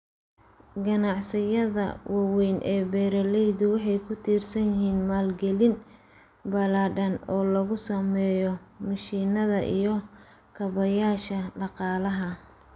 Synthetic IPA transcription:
ɡɐnɑʕsɪjɐðɐ̰wɑwɛjnʔɛːbɛːɾɐlɛjðʊwɑħɑjkʰʊt̪ʰiːrsɐnjɪɦiːnmaːlɡɛlɪn | bɐlaːɖɐnɔːlɐɣʊsɐmɛːjɔmɐʃiːnɐðɐʔḭjɞ | kʰɐβɐjaːʃɐɖɑqɑːlɐɦɐ

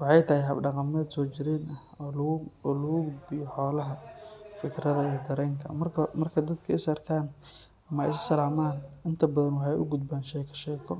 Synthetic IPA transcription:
wɑħɑjt̪ʰɐhɪɦɐbɖɑqɑmɛd̪sɔːt͡ʃɪɾɛːnɐhɔɔːlɐɣʊɡʊd̪bɪjɔħɔːlɐɦɐfɪkʰɾɐðɐiːd̪ɐɾɛːŋkʰɐ̰mɐrkʰɐmɐrkʰɐd̪ɐd̪kʰɐɪsɐrkʰaːn | ɐmɐ̰jɪssɐlaːmaːnɪnt̪ʰɐbɐðɐnwɑħɑjʔʊ̰ɡʊd̪bɛːnʃɛjkʰɐ̥ʃɛjkʰɔ

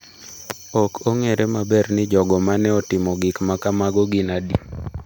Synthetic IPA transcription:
ɔkʰoŋeɾʔemabɛrnɪd͡ʒɔɡɔmanɛɔtɪmɔɡɪkmakamaɡɔɡɪnadi

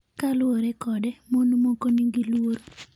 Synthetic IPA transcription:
kalʊwoɾɛkɔdɛmonumokoniŋɡilwoɾo

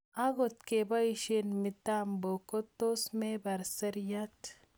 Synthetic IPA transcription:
aɡot̪kebɐiʃenmit̪ambokot̪osmebɐɾsɐɾjat̪

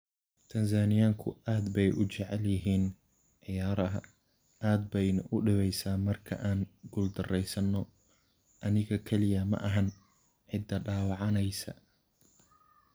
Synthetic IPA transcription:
t̪ʰɐns̬aːnɪjaːŋkʰʊ̰aːd̪bɛjʔʊt͡ʃɛʕɛljɪɦiːn | ʕɪjaːɾɐɦɐ̰ | aːd̪̚bɛjnɐʔʊɖɪβɛjsaːmɐrkʰɐ̰ʔaːnɡʊld̪ɐrɛjsɐnːɔ | ʔɐnɪɣɐkʰɛlɪjɐmɐ̰ʔɐɦɐn | ʕɪd̪ːɐɖaːwɑʕɑnɛjsɐ̰

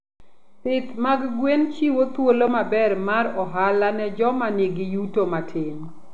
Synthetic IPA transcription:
sɪt̪maɡɡwent͡ʃiwot̪wolomabɛrmaɾɔɦalanɛd͡ʒɔmaneɡijutomatʰɪn

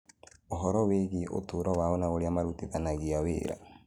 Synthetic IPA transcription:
oɦɔɾɔweɣeʔo̰toːɾɔwaɔnaoɾeamaɾutiðanaɣiawḛːɾa̰

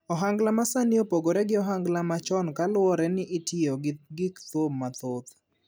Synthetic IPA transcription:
ɔɦaŋɡlamasaniopoɡoɾɛɡɪɔɦaŋɡlamat͡ʃɔnkalwɔɾɛnɪʔitɪoɡɡɪkt̪omːat̪ot̪

